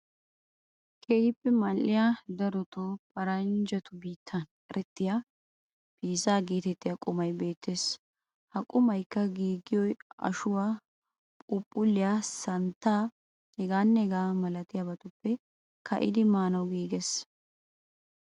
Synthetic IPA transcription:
kʰʼeːhɪpːɛmɐlːɪjad̪ɐɾɔt̪oːpʼɐɾɐnd͡ʒɐt̪ʊbiːt̪ʰːɐnʼ | ɛɾɛt̪ːɪja | biːzaːɡeːt̪ɛt̪ːɪjakʼʊmɐjbe̞ːt̪ʰːeːs | hɐkʼʊmɐjkːɐɡiːɡɪjɔjɐ̰ʃʊwaː | pʼʊpʼːʊlːɪjaːsɐnt̪ːaː | ɛɡaːnːɛɛɡaːmɐlɐt̪ɪjaːbɐt̪ʊpːɛ | kʰɐ̰ʔɪ̰d̪ɪmaːnɐwɡiːɡes

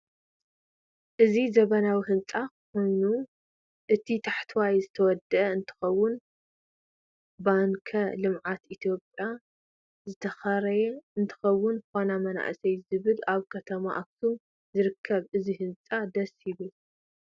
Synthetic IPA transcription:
ʔɨzizɐβɐnawiɦɨnt͡sʼakɨxo̞jnu | ʔɨt̪ʰit̪ʰaħt̪ʰwajzɨt̪ʰɐwɔd̪ɐʔɐɨnt̪ʰɨ̥xɐwːʊn | baŋkʰɐlɨmʕat̪it̪ʰijo̞pʼja | zɨt̪ʰɐxɐɾɐjɛɨnt̪ʰɨ̥xɐwːʊnxonamɐna̰ʔsɐjzɨβɨlaβkʰɐt̪ʰɐma̰ʔak̚t̪ʰum | zɨɾɨkʰːɐβʔɨziɦɨnt͡sʼad̪ɐsjɪβɨl

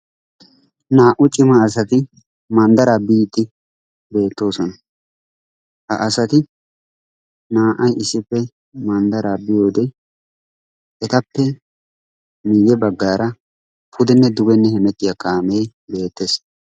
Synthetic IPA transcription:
naːʔʊt͡ʃʼɪmɐːs̬ɐt̪ɪ | mɐnd̪ɐɾaːbiːt̪ːɪ | be̞ːt̪ːo̞ːsɔnɐ | hɐ̰ʔɐsɐt̪ɪ | naːʔɐjɪsːɪpːɛ | mɐnd̪ɐɾaːbɪjo̞ːd̪ɛ | ʔɛt̪ɐpːɛ | miːɡɛbɐɡːaːɾɐ | pʰʊd̪ɛnːɛd̪ʊɡɛnːɛhɛmɛt̪ʼːɪjakʼaːmeː | be̞ːt̪ːeːs

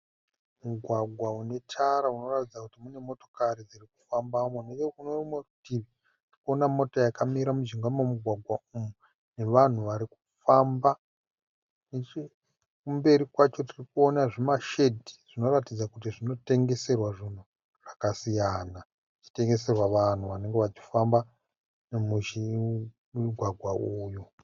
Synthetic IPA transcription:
muɡʱwaɡʱwaune̞t͡ʃaɾauno̞ratid͡zakutimune̞mo̞to̞̥kaɾid͡ziriku̥fambamoneokunorimerudiʋi | trikuonamo̞tojakamiɾamud͡ʒiŋɡamomuɡʱwaɡʱwaumu | ne̞ʋan̤uʋaɾiku̥ | famba | net͡ʃ | kumbe̞ɾikwat͡ʃo̞tirikuo̞naʐemaʃe̞dʱi̥ʐ̥ino̞ratid͡zakut̬iʐino̞te̞ŋɡe̞se̞rwaʐin̤u | ʐ̥akasijana | ʐit͡ʃi̥te̞ŋɡe̞serwaʋan̤uʋane̞ŋɡeʋat͡ʃi̥famba | nemuʒi | muɡʱwaɡʱwauːju

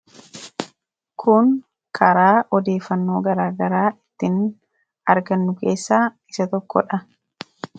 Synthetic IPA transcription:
kʰʊŋ | kʰɐɾaːʔɔd̪e̞ːfːɐnːo̞ːɡɐɾaːɡɐɾaːɪt̪ːɪn | ɐɾɡɐnːʊke̞ːsːaː | ɪsɐt̪ɔkːɔ̰ᶑɐ

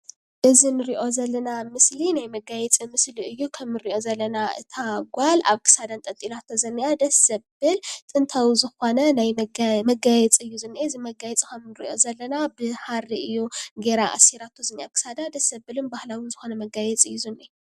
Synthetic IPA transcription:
ʔɨzinɨɾiʔo̞zɐlːɐnamɨslinajmɐɡajɛt͡sʼimɨsliɨjːukʰɐmɨɾiʔo̞zɐlːɐnaʔɨ̰t̪ʰaɡʷala̰βkʰɨ̥sad̪ant̪ʼɐt̪ʼilat̪ʰozɨnːijad̪ɐsɐbɨlt̪ʼɨnt̪ʰawizɨxo̞nɐnajmɐɡajɛt͡sʼɨjːuzɨnːeɨzimɐɡajɛt͡sʼikʰɐmnɨɾḭʔo̞zɐlːɐnabɨhaɾiɨjːuɡe̞ɾaʔa̰siɾat̪ʰːozɨnːiakʰɨ̥sad̪ad̪ɐsɐbɨlɨnbahlawɨnzɨxo̞nɐmɐɡajɛt͡sʼɨjːuzɨnːe

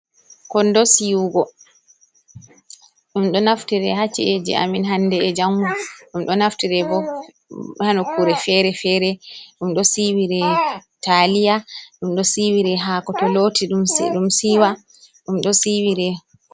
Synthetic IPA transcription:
kɔndɔsiuɡɔ | ɗumɗɔnaftiɾɛhat͡ʃːied͡ʒḭʔa̰minɦandɛːd͡ʒamːuɗumɗɔnaftiɾɛbɔ | hanɔkʰuɾɛfɛɾɛfɛɾɛɗumɗɔsiwiɾɛtalijaɗumɗɔsiwiɾɛɦakɔtɔlotiɗumɗumsiwa | ɗumɗɔsiwiɾɛ

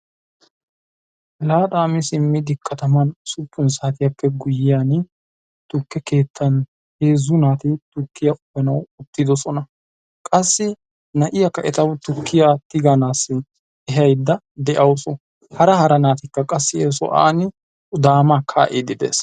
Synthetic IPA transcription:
laːt̪ʼaːmɪsɪmːɪd̪ɪkʰːɐt̪ɐmɐnsʊpːʊnsaːt̪ɪjɐpːɛɡʊjɪjan | t̪ʊkːɛke̞ːt̪ʰːɐn | heːzʊnaːt̪ɪt̪ʊkːɪjɐʔʼʊbɛnɐwʊt̪ːɪd̪ɔsɔnɐ | kʼɐsːɪ | nɐʔɪjɐkːɐʔɛt̪ɐwt̪ʊkːɪjat̪ɪɡanaːsːɪ | ɛɦɐjd̪ːɐ | d̪ɛʔɐwsɔ | hɐɾɐhɐɾɐnaːt̪ɪkːɐkʼɐsːɪɛs̬ɔ̰ʔa̰ːnɪ | d̪aːmakʰa̰ːʔed̪ɪd̪ḛːs

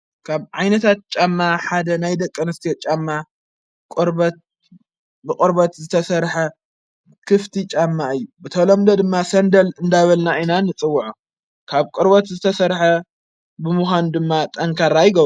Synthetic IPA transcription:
kʰaβʕajnɐt̪ʰat̪̚t͡ʃʼamːaħad̪ɐnajd̪ɐkʼːɨnɨst̪ʰit͡ʃʼamːa | kʼɨɾbɐt̪̚ | bɨkʼɨɾbɐt̪zɨt̪ʰɐsɐɾħɐ | kʰɨft̪ʰit͡ʃʼamːaɨjːubɨt̪ʰɐlomd̪ɐd̪ɨmːasɐnd̪ɐlɨnd̪aβɐlnainanɨt͡sʼɨwːuʕu | kʰaβkʼɨɾbɐt̪zɨt̪ʰɐsɐɾħɐ | bɨmuxand̪ɨmːat̪ʼɐŋkʰaɾajɪɡɐβ

